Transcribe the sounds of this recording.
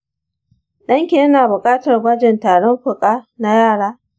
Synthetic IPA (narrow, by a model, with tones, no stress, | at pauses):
ɗɐ˦ŋkʲeː˦naː˨bʊ˨kʼaː˦tɐ˨rɡɐ˦d͡ʒɛ˨ntaː˨ɽɔ˦mɸʊ˨kʼaː˦na˦jaː˦˨ɽaː˦